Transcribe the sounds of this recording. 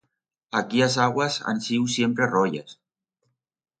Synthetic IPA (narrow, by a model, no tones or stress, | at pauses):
akiazaɣwaza̰nsiwsjempɾerɔja̰s